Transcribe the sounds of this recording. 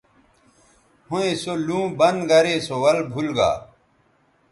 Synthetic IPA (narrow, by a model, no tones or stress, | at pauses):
hoẽsolũːbɐnɡɐɾeːsowɐlbʱulɡa̰ː